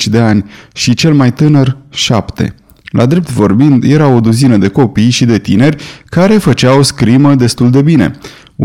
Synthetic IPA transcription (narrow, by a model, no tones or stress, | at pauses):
t͡ʃʲd̪e̞anʲʃit͡ʃe̞lmajt̪ɨnərʃapt̪e̞̰ | lʔa̰d̪ɾe̞p̚t̪vo̞rbind̪je̞ɾao̞d̪uzinəd̪e̞ko̞pijʃid̪e̞t̪ine̞rʲkaɾe̞fət͡ʃawskɾiməd̪e̞st̪uld̪e̞bine̞̰